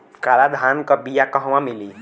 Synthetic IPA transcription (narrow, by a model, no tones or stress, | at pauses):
kalad̪ʱankəbijakʌɦwãmili